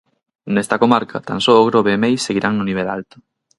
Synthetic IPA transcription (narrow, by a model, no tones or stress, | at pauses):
nest̪ɐkomaɾkʰa̰t̪a̰nsoːɣɾoβemejsːeɣ̞iɾʔaŋnʊniβ̞elalt̪ʊ̥